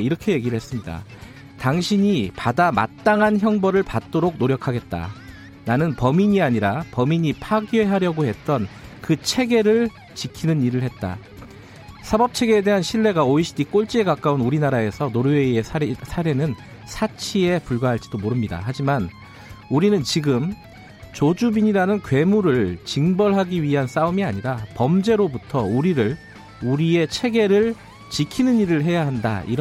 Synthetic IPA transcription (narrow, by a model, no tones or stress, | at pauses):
iɾʌkʰe̞je̞ɡiɾɯɭhe̞s͈ɯmɲida̰ | taŋɕʰiɲipadama̰t̚t͈aŋɦançjʌŋbʌɾɯɭpat̚t͈oɾoɡ̚noɾjʌkʰaɡe̞t̚t͈a̰ | nanɯnpʌmiɲiaɲiɾapʌmiɲipʰaɡie̞ɦaɾjʌɡohe̞t̚t͈ʌnkɯt͡ɕʰe̞ɡe̞ɾɯɭ | t͡ɕikʰinɯniɾɯɭhe̞t̚t͈a̰ | sʰabʌp̚t͡ɕʰe̞ɡe̞ːde̞ɦanɕʰiɭːe̞ɡaoiɕʰi̥dik͈oɭt͡ɕ͈ie̞kak͈aunuɾinaɾae̞sʰʌnoɾɯeiesʰsʰaɾe̞nɯn | sʰat͡ɕʰie̞puɭɡwaɦaɭt͡ɕ͈id̥omoɾɯmɲida̰ɦad͡ʑiman | uɾinɯnt͡ɕiɡɯm | t͡ɕod͡ʑubiɲiɾanɯnkwe̞muɾɯɭt͡ɕiŋbʌɭɦaɡiɥiɦans͈aumiaɲiɾapʌmd͡ʑe̞ɾobutʰʌuɾiɾɯɭ | uɾie̞t͡ɕʰe̞ɡe̞ɾɯɭ | t͡ɕikʰinɯniɾɯɭɦe̞jaɦanda̰ʔḭɾ